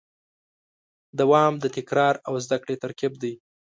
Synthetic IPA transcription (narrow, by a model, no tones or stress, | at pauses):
d̪awɑmd̪ət̪ɪkɾɑɾawzd̪akɽet̪aɾkab̚d̪əj